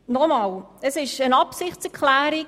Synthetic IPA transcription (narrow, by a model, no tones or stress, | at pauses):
nɔmɑːləsɪʃənɑpsɪχtt͡sɛkʰlæːɾi